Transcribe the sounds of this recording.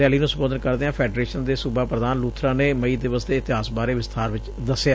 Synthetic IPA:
ɛːliːnũːsəmboːd̪ənkəɾd̪eãːpʰɛːɖɾeːʃənd̪eːsubaːpɾəd̪aːnluːt̪ʰɾãːneːməiːd̪ɪʋəsd̪eːɪt̪ɪɦaːsbaːɾeːʋɪst̪ʰaːɾʋɪt͡ʃ | d̪əsa

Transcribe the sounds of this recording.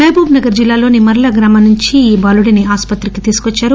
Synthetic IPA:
nɐjbʱuːbnɐɡɐɾd͡ʒilːaːlo̞ːnimɐɾɐɭɐɡɾaːmɐnuɲt͡ʃiːbaːluɽiniaːspɐt̪ɾikit̪iːsu̥kot͡ʃːaːɾu

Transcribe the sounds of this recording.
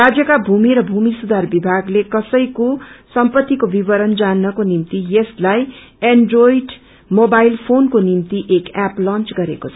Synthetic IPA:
rad͡zjʌkabʱumiɾʌbʱumisud̪ʱarbibʱaɡlekʌsʌjkosʌmpʌt̪ːikobibʌɾʌnd͡zanːʌkonimt̪ijeslaj | eɳɖrojɖ | mobajlpʰonkonimt̪iʔekaplʌ̃nt͡sɡʌɾekot͡sʰʌ̥

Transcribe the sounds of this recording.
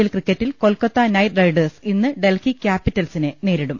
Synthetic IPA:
ilkrikʲːɐtːilko̞lkɐt̪ːɐnɐjrɐjɖɐrsinːɨɖe̞lkikʲaːpːitːɐlsinɨneːɾiɽum

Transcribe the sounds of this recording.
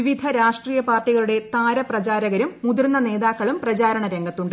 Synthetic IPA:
iʋid̪ʱɐɾaːʂʈriːjɐpaːrʈːiɣɐɭuɽe̞t̪aːɾɐprɐt͡ɕaːɾɐɣɐɾumːud̪urnːɐne̞ːðaːkːɐɭumprɐt͡ɕaːɾɐɳɐɾe̞ŋɡɐt̪ːuɳɖɨ

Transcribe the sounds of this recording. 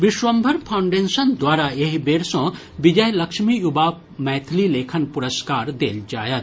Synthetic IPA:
ʋɪʃwɐmbʱɐɾpʰaʊɳɖẽːnsɐnd̪waːɾaeɦbeːɾsõ | bid͡ʒɐjlɐkʃmijuba | mɛːt̪ʰlileːkʰənpʊɾəskaːɾd̪ḛːld͡ʒaːjɐt̪

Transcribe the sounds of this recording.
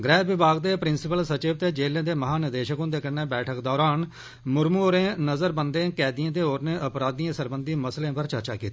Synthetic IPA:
ɡɾɛːʋɪbaːɡd̪eːpɾɪnsɪpəlsət͡ʃɪːʋt̪eːd͡ʒeːlẽːd̪eːməɦaːnɪd̪eːʃəkõːd̪eːkəneːbɛːʈʰəkd̪ɔːɾaːn | mʊɾmuːoːɾẽːnəzəɾbənd̪ẽːkɛːd̪iãːt̪̬eːɦoːɾnẽːʔəpɾaːd̪ijãːsəɾbənd̪iːməslẽːpəɾt͡ʃəɾt͡ʃa̰ːkiːt̪ːiː

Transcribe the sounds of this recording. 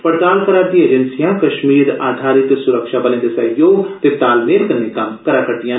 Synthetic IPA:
pɐɾt̪aːlkɐɾaːɾt̪ieːd͡ʒənsijãkɐʃmiːɾaːd̪ʱaːɾɪt̪sʊɾəkʃabɐlẽd̪esɐɦjoːɡt̪et̪aːlmeːɾkɐɾnekakɐɾakɐɾd̪ijã

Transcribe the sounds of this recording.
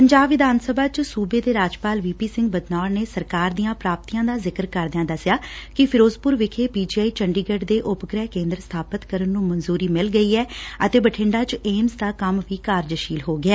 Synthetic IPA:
pəɲd͡ʒaːbʋɪd̪aːnsəbaːt͡ʃsuːbeːd̪eːɾaːd͡ʒpaːlʋiːpiːsɪ̃ŋɡ̚bəd̪naːɽneːsəɾkaːɾd̪ijãːpɾaːp̚t̪iːjãːd̪aːzɪkəɾkəɾd̪ɪãːd̪əsjaːkɪpʰɪɾoːzpʊɾʋɪkʰeːpiːd͡ʒiːaːiːt͡ʃəɳɖiːɡəʈd̪eːʔʊpɡɾɛːɦkẽːnd̪ɾəst̪ʰaːpət̪kəɾənːũːmənzuːɾiːmɪlɡəiːɛːət̪eːbəʈʰɪ̃ɳɖaːt͡ʃeːmsd̪aːkəmʋiːkaːɾd͡ʒəʃiːlɦoːɡɪɛː

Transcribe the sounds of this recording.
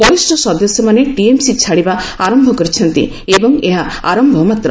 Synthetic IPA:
pɔisʈɔsɔd̪ɔsjɔmaneʈiemsit͡ʃʰaɽibaaɾɔmbʱɔkɔɾit͡ʃʰɔnt̪ḭ | ebɔŋeɦaaɾɔmbʱɔmat̪ɾɔ

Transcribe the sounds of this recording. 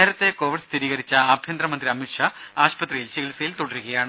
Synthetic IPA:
eːɾɐt̪ːe̞ko̞ːʋiɖst̪ʰiɾiːɣɐɾit͡ɕːɐːbʱjɐnd̪rɐmɐnd̪riɐmiʈʂɐaːɕpɐt̪rɐjilt͡ɕiɣlisɐjilt̪oɽɐɾuɣɐjaːɳɨ

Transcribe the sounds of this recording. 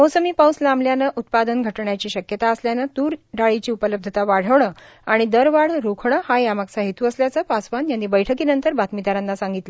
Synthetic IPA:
mowsəmiːpawslamljanəʔut̪̚pad̪ənɡʱəʈɳjat͡ɕiːɕəkjət̪aəsljanat̪uːɾɖaɭit͡ɕiːupələb̚d̪ʱət̪aʋaɽ̤əʋɳəː | aɽ̃id̪əɾʋaɽɾukʰɳ̃əhajamaksaɦit̪uəsljat͡səːpasʋanjanːiːbəjʈʰəkiːnənt̪əɾbat̪mid̪aɾanːasaŋɡit̪lə

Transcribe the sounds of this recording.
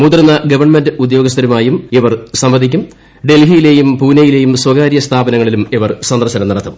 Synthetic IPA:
muːd̪rɐnːɐɡɐʋɐrɳmendɨud̪jo̞ːɡɐst̪ɐɾumaːjumeʋɐrsɐmʋɐd̪ʱikʲːum | ɖe̞lɦijile̞ːjumpuːnɐjile̞ːjumswɐɡaːɾjɐst̪ʰaːbɐnɐŋːɐɭilumeʋɐrsɐnd̪ɐrɕɐnɐmnɐɽɐt̪ʰːɐm

